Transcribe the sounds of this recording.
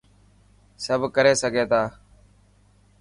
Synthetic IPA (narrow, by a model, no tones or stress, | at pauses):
səbʱkəɾeːsəɡʱeːt̪aː